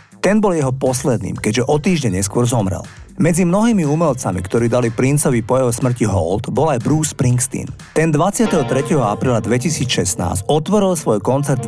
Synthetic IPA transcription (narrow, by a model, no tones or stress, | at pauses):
t̪ɛnbɔljɛɦɔpɔslɛd̪̚nḭːmkɛɟʒɛʔɔt̪iːʒɲɛɲɛskʊɔɾzɔmɾɛ̰lmɛd͡zimnɔɦiːmiumɛlt͡samḭkt̪ɔɾiːd̪alipɾint͡sɔʋipɔjɛɦɔsmr̩ciɦɔ̰ld̪bɔlajbɾuːspɾiŋkst̪ḭnt̪ɛnd̪ʋat͡sɪat̪ɛɦɔt̪ɾɛcɛɦɔapɾiːlad̪ʋɛcisiːt͡sʃɛsna̰ːzcɔt̪ʋɔɾilˠsʋɔjkɔnt͡sɛɾt̪